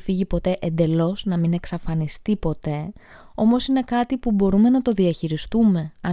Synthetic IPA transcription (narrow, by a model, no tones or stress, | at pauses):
fiʝipo̞t̪e̞ʔend̪e̞lo̞znɐmine̞ksɐfɐnist̪ipo̞t̪e̞ | o̞mo̞sine̞kɐt̪ipubo̞ɾume̞nɐt̪o̞ðiɐçiɾist̪ume̞ɐ